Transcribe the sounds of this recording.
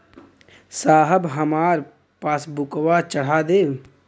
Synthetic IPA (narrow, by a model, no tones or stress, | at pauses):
saːɦəbɦəmaːɾ | paːsbʊkwat͡ʃəɽ̤aːd̪eː